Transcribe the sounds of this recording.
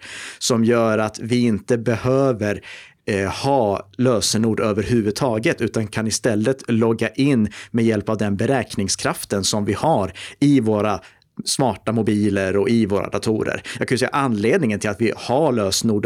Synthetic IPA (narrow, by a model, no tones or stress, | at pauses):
sɔmjœːɾat̪vɪɪnt̪əbɛhøːvəɾ | hɑːløːsənuːɖøːvəɾɦʉ̟ːvɵd̪̚t̪ʰɑːɡət̪ʉ̟ːt̪ankʰanɪst̪ɛlːət̪lɔɡːaʔɪnːmɛjɛlpavd̪ɛnbɛɾɛːknɪŋskʰɾaft̪ənsɔmvɪhaɾɪvoːɾa | smɑːʈamʊbiːləɾɔɪvoːɾʔa̰d̪at̪ʰuːɾə̰ɾjɑ̰ɡkʰanjʏsɛjːaʔanːleːd̪nɪŋənt̪ʰɪlat̪vɪhaløːsnuːɖ